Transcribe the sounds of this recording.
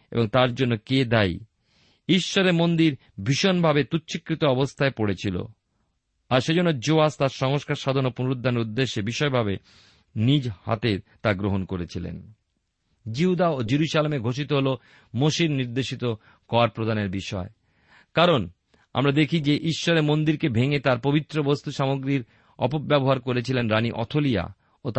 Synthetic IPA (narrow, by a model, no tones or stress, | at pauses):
ḛboŋt̪aɾd͡ʑonːoked̪aj | iʃːoɾeɾmond̪iɾ | bʱiʃonbʱabet̪utːɕʰikːɾit̪oɔbost̪ʰaepoɽet͡ɕʰilo̰ | aɾʃed͡ʑonːod͡ʑoast̪aɾʃɔŋoʃkaɾʃad̪ʱonopunɾod̪ʱːaneɾud̪ːeʃːebiʃɔebʱabe | nid͡ʑha̰t̪et̪aɡɾoɦonkoɾet͡ɕʰilḛn | d͡ʑiɦud̪aod͡ʑiɾuʃalemeɡʱoʃ̬it̪oɦolo | moʃiɾniɾd̪eʃit̪o | kɔaɾpɾod̪aneɾbiʃɔe | kaɾon | a̰mɾad̪ekʰid͡ʑeʔiʃːɔɾemond̪iɾkebʱeŋet̪aɾpobit̪ːɾobost̪uʃamoɡɾiɾ | ɔ̰pobɛboɦaɾkoɾet͡ɕʰilenɾaniʔɔ̰t̪ʰolija̰ | ot̪